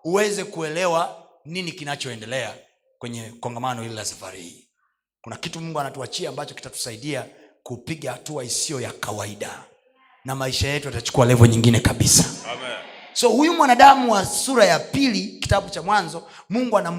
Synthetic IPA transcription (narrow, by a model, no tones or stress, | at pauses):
uwɛzɛkuɛlɛwa | ninikinat͡ʃɔɛndɛlɛa | kwɛɲɛkɔŋɡamanɔililasafa̰ɾihḭː | kunakitumuŋɡuanatuat͡ʃiaːmbat͡ʃɔki̥tatu̥saiɗia | kupiɠahatuaisiɔjakʰawaiɗa | namaiʃajɛtujatat͡ʃu̥kualɛvɔɲiŋɡinɛkaɓisḁ | sɔhujumwanaɗamuwasuɾajapiliki̥taɓut͡ʃamwanzɔ | muŋɡuana